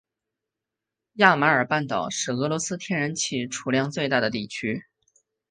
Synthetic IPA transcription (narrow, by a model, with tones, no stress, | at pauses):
ja˥˩ma˧˥ə˞˨˩pa˥˩nt̪ɑ˨˩ʊʂɻ̩˥˩ɣɤ˧˥lwɔ˧˥sɹ̩˥t̪ʰjɛ˥nɻə˧˥nt͡ɕʰi˥˩ʈ͡ʂʰu˨˩ljɑ˥˧ŋt͡swe˥˧ɪt̪a˥˩d̪ə˩t̪i˥˩t͡ɕʰy˥